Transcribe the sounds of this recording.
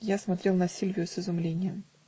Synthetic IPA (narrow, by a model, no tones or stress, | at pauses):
jasmɐt̪ɾʲe̞lˠnɐsʲilʲvʲɪjʊsɪzʊmlʲenʲɪjəm